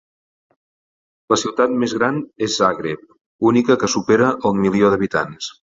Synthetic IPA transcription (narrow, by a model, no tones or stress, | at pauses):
ləsiwt̪at̪mezɣɾanezaɣɾep̚ | unikəkəsupeɾəʔəmilioðəβ̞it̪a̰ns